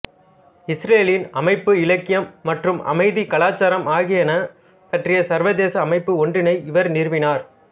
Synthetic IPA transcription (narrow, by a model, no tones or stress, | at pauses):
ɪsɾeːlɪnɐmɐɪpːɯɪlɐkːɪjɐmːɐʈrɯmʔɐ̰mɐɪðikɐlaːt͡ʃːaːɾɐmaːɣɪjɐnɐ | pɐʈrɪjɐsɐɾʋɐðeːsɐːmɐɪpːɯɔɳɖrɪnɐɪɪʋɐɾnɪɾʋɪnaːɾ